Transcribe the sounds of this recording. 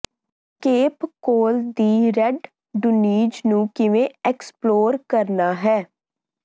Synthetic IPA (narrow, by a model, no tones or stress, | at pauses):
keːpkoːld̪iːɾɛɖ | ɖʊniːd͡ʒnũːkɪʋẽːɛksploːɾkəɾnaːɦɛː